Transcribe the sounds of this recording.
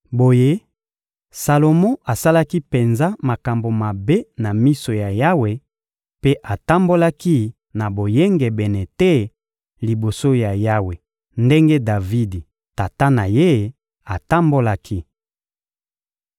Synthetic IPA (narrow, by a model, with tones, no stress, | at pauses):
bo˨je˦ | sa˨lo˨mɔ̃˦a˨sa˦la˦ki˦pe˨nza˦ma˨ka˨mbo˨ma˨be˦na˨mi˦so˨ja˨ja˦we˨ | pe˦ʔa˨ta˦mbo˦la˦ki˦ | na˨bo˨je˦ŋɡe˨bɛ˨nɛ˨te˦ | li˨bo˨so˦ja˨ja˦we˨ | nde˦ŋɡe˦da˨vi˦di˨ | ta˨ta˦na˨je˦ | a˨ta˦mbo˦la˦kʰi˦